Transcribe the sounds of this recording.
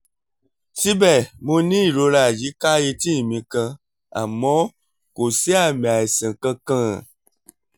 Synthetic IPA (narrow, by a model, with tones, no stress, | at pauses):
ti˦bɛ˦˨mõ˧nĩ˦i˨ɾo˧ɾa˨ji˨˦ka˦je˧tĩ˦˨mĩ˧kã˧ | a̰˨mɔ̃˨˦ | ko˨si˦a˦˨mĩ˨a˨e˨sɛ̃˨kã˧kã˦˨